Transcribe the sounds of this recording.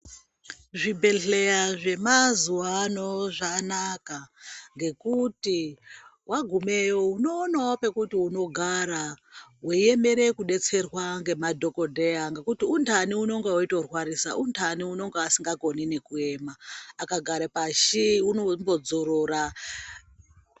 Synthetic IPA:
ʐibʱe̞ɬejaʐe̞mazuwano̞ʐanakaŋɡe̞kuti | waɡʱume̞jouno̞ːnaopekutiuno̞ɡʱaɾaweeme̞ɾe̞kuɗe̞t͡se̞rwaŋɡe̞madʱo̞ko̞dʱeaŋɡekutiuntʰaniuno̞ŋɡeito̞rwaɾisaʔuntʰaniuno̞ŋɡeasiŋɡaɡʱo̞nine̞kue̞maːkaɡʱaɾepaʃiunombo̞d͡zoɾoɾa

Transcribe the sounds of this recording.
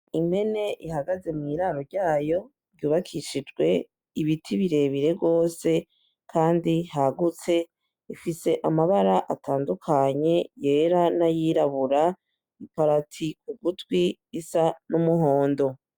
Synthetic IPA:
ime̞ne̞ʔihaɡaze̞mŋiɾaɾo̞ɾɟaːjo̞ | ɾɟuːβakʰiʃid͡ʒɡwe̞ | iβitʰiβiɾe̞ːβiɾe̞ɡo̞ːse̞ | kʰaːndihaɡut͡se̞ | ifise̞ʔamaβaɾaʔatʰaːndukʰaɲe̞je̞ːɾanajiːɾaβuɾa | ipaɾatʰik̚uɡutwiisanumuɦo̞ːndo̞

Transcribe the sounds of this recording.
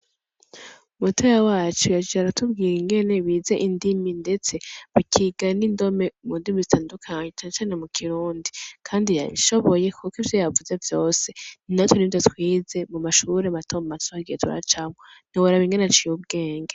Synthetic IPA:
umutʰojawaːt͡ʃujad͡ʒiaɾatʰub̚ɡiːɾiŋɡe̞ne̞βiːze̞ʔindiminde̞t͡se̞βikʰiɡanindo̞me̞mundimizitʰaːndukʰaɲɲet͡ʃanat͡ʃaːne̞mukʰiɾuːndikʰaːndija̰βḭʃo̞βo̞je̞kʰukivjojavuzevjo̞ːse̞nnatwenindatwiːze̞mumaʃuɾematomatuɾaɡijetʰuɾa̰t͡ʃamon̥iwaɾaβiŋɡeneat͡ʃiub̚ɡe̞ːŋɡe

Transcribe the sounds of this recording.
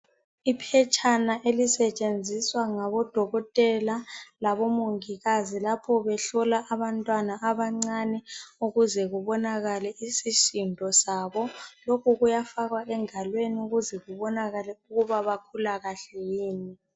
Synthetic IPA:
ipʰɛt͡ʃʼʰanaʔelisɛt͡ʃʼend͡zʱiswaŋaβɔd̥ʱɔɣɔtʼɛlalaβɔmoŋiɣazilapʰɔβɛɬɔlaʔaβantʼwanaʔaβaŋ͡ǀanɛuɣuzɛɣuβɔnaɣalɛisiʃindʱɔsaːβɔlokʰuɣujafaɣwaɛŋalweniuɣuzɛɣuβɔnaɣalɛuɣuβaβakʰulaɣaɬɛjiːni

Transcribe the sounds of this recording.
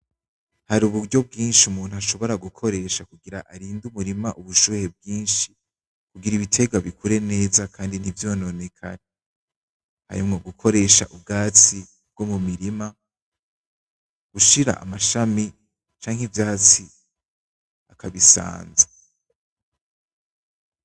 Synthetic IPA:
haɾuβuɾɟo̞b̚ɡiːnʃiumuːn̥uaʃo̞βo̞ɾaɡukʰo̞ɾe̞ʃakuɡiɾaʔaɾiːndumuɾimaʔuβuʃuːhe̞b̚ɡiːnʃi̥ | kuɡiɾiβitʰe̞ɡaβikʰuɾe̞ne̞ːzakʰaːndin̥ivjo̞ːno̞ne̞kʰane | ha̰ɾimŋo̞ɡukʰo̞ɾe̞ʃa̰ʔub̚ɡaːt͡si | b̥̚ɡo̞mumiɾima | ɡ̥uʃiɾa̰ʔa̰maʃami | t͡ʃaːŋhivjaːt͡si | akʰaβisa̰ːnza

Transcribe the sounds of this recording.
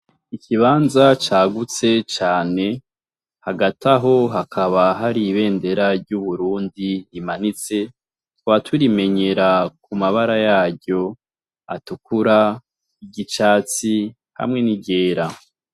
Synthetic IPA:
iciβaːnzat͡ʃaːɡut͡se̞t͡ʃaːne̞ | haɡatʰaɦo̞ɦakʰaβaɦaɾiβe̞ːnde̞ɾaɾɟuβuɾuːndiimanit͡se̞ | tuβatʰuɾime̞ɲe̞ɾak̚umaβaɾajaːɟo̞ | a̰tukuɾa | iɟit͡ʃaːt͡si | ha̰mŋe̞nibɟe̞ːɾa

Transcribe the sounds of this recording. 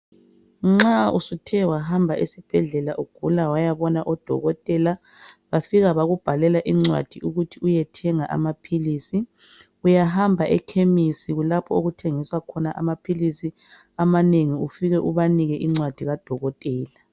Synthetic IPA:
ŋ͡ǁaṵsutʰɛwaɦambʱaʔisib̥ʱɛɮɛlaʔuɡ̥ʱulawajaβɔnaʔɔd̥ʱɔ̰ɣɔtʼɛla | βafiɣaβaɣub̥ʱalɛlaʔiŋ͡ǀwa̰d̥ʱiʔuɣutʰiujɛtʰɛŋaʔa̰mapʰiliːsi | ujaɦambʱaʔɛkʰemisiɣulapʰɔoɣutʰeŋiswakʰɔnaʔa̰mapʰilisi | amaneŋiufiɣɛʔuβaniɣɛʔiŋ͡ǀwad̥ʱiɣad̥ʱɔɣɔtʼɛːla

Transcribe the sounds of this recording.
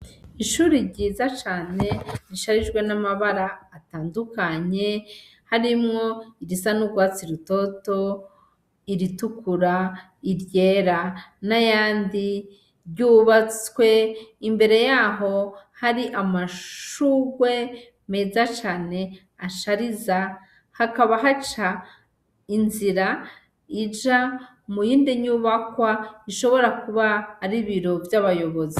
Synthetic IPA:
iʃuːɾiɾɟiːzat͡ʃaːne̞niʃaɾid͡ʒɡwe̞namaβaɾaːtaːndukaɲe̞ | haɾimŋo̞iɾisanuɡɡwaːt͡siɾuto̞to̞ | iɾitukuɾa | iɾje̞ːɾanajaːndi | ɾɟuːβat͡swe̞imbe̞ɾe̞jaːɦo̞haɾiʔamaʃuːwe̞ | me̞ːzat͡ʃaːne̞ | aʃaɾiza | hakaβaɦat͡ʃa | inziɾa | id͡ʒa | mujiːndiɲuβakwaiʃo̞βo̞ɾakuβaːɾiβiɾo̞vjaβajo̞βo̞zi

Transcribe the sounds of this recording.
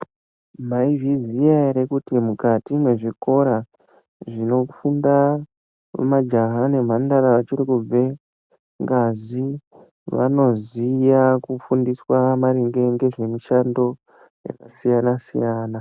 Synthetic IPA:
m̤aivizijaiɾekutimukatimwe̞ʐiko̞ɾa | ʐino̞ufunda̰ | mad͡ʒaɦane̞m̤andaɾaʋat͡ʃirikub͡ve̞ | ŋɡazi | ʋa̰no̞zijakufundiswamaɾiŋɡe̞ŋɡe̞ʐe̞miʃando̞ | ja̰kasijanasijaːna

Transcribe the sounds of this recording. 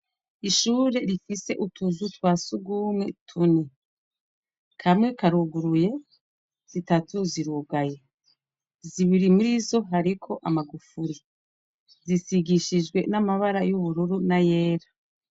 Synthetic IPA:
iʃuːɾe̞ɾifise̞ʔutʰuzutwaːsuɡuːmŋe̞tʰune | kʰamŋe̞kaɾuɡuɾuje̞ | z̥itatʰuziɾuɡaje̞ | ziβiɾimuɾizo̞ɦaɾikʰo̞ʔamaɡufuɾi | zisiɡiʃid͡ʒɡwe̞namaβaɾajuβuɾuɾunaje̞ːɾa

